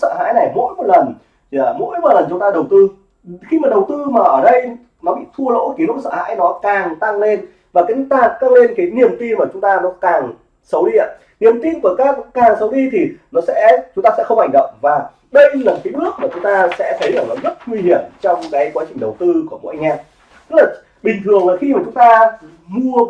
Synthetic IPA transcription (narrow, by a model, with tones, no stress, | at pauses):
sə̰ː˧˨ɦa̰ː˧˥jna˨˩jmo̰˧˥jmo˨˩t̚lə˨˩n | a˨˩mo̰˧˥jmo˨˩lə˨˩nt͡ɕʊ˨˦ŋ͡mt̪aː˧ɗə˨˩wt̪ɨ˧ | xi˧maː˨˩ɗə˨˩wt̪ɨ˧maː˨˩ʔəː˧˩ɗə˧j | nɔ˨˦ɓḭ˧˨t̪ʰu˧əlo̰˧˥ki˨˦lʊ˦˥t̚sə̰ː˧˨ha̰ː˧˥jnɔ˨˦kaː˨˩ŋt̪a˧ŋle˧n | vaː˨˩kaː˨˦t̪aː˧˩ŋt̪a˧ŋle˧nkaː˨˦jni˨˩əmt̪i˧nmaː˨˩t͡ɕʊ˨˦ŋ͡mt̪aː˧nɔ˨˦kaː˨˩ŋ | sə˨˦wɗi˧ʔa̰˨˦ | ni˨˩əmt̪i˧nku˧˩əkaː˨˦˥k̚ɔ˨˦kaː˨˩ŋsə˨˦wɗi˧t̪ʰi˨˩nɔ˨˦sɛ̰˧˥t͡ɕʊ˦ŋ͡mt̪aː˧sɛ̰˧˥xə˧wŋ͡mha˧˩jŋ̟ɗə̰˧˨wŋ͡mvaː˨˩ | ɗə˧jlaː˨˩kaː˨˦jnɨ˦˥ək̚maː˨˩t͡ɕʊ˨˦ŋ͡mt̪aː˧sɛ̰˧˥t̪ʰə˨˦jʔəː˧˩ləː˨˩zə˦˥t̚ŋwi˧hi˧˩əmt͡ɕɔ˧wŋ͡mkaː˨˦jkwaː˨˦t͡ɕï̟˨˩ɗə˨˩wt̪ɨ˧ku˧˩əm̰o̰˧˥jʔa˧ŋ̟ʔa˧ | t̪ɨ˦˥k̚laː˨˩ | ɓï˨˩ŋ̟t̪ʰɨ˨˩əŋlaː˨˩xi˧maː˨˩t͡ɕʊ˨˦ŋ͡mt̪aː˧ | mu˧ə